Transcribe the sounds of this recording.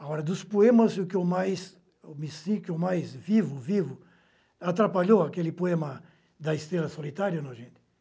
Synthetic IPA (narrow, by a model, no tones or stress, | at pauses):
aɔɾɐd̪ʊspoẽmɐzʊkɪomajs | omɪsĩkɪomajzvivʊvivʊ | at̪ɾapaʎowakelɪpoẽmɐ | d̪ɐɪst̪ɾelɐsolit̪aɾjɐnoʒẽnt̪ɪ